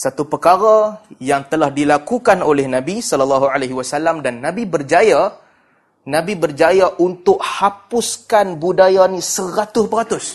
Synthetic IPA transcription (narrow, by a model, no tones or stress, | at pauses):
sat̪upəkaɾajaŋt̪əlahdilakukanolɛhnãbisɔlalːaɦualaɦiwasalamdanːãbibərd͡ʒaja | nãbibərd͡ʒajaʔunt̪ʊk̚hapʊskanbudajanĩsəɾat̪ʊspəɾat̪ʊs